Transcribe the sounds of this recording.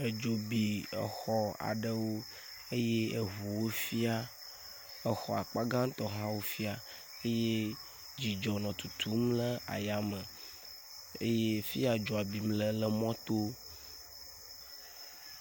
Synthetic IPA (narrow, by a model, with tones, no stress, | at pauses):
e˨d͡ʒo˨bi˨ɛ̰˨xɔ˦a̰˨ɖə˦wo˦ | e˦je˦e˨ɦu˨wo˦fi˦a˦ | ɛ˨xɔ˨a˨k͡pa˦ɡã˦ŋ˦t̪ɔ˨ɦã˦wo˦fi˦a˨ | e˦je˦ | d͡ʑi˨d͡ʒɔ˨nɔ̃˨t̪u˨t̪ʰu˦mlə˦a̰˨ja˨mə˨ | ḛ˦je˦fi˦a˨d͡ʒo˨a˨bi˨mlə˦lə˦mɔ̃˦t̪o˦